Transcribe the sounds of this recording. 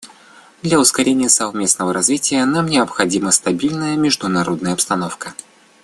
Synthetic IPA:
d̪lʲɐʊskɐɾʲenʲɪjəsɐvmʲe̞snəvəɾɐzvʲitʲɪjənamnʲɪɐpxɐdʲiməst̪ɐbʲilʲnəjəmʲɪʐd̪ʊnɐɾʔo̞d̪nəjəɐpst̪ɐno̞fkə

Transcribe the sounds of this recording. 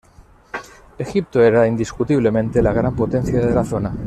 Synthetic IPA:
e̞xip̚t̪oe̞ɾaind̪iskut̪iβle̞mẽnt̪elaɣ̞ɾampo̞t̪e̞n̟θjaððe̞laθo̞na

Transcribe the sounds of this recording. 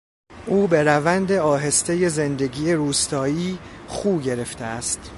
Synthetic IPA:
ʔuːbe̞ɾævænd̪e̞ɒːɦe̞st̪eje̞ze̞nd̪e̞ɡiːeɾuːst̪ʰɒːiːχuːbɟe̞ɾeft̪ʰeæst̪

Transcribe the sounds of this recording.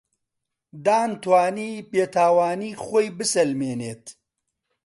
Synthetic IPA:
d̪aːnt̪waːniːpeːt̪ʰaːwaːniːχoːjbɨsɐlmeːneːt̪

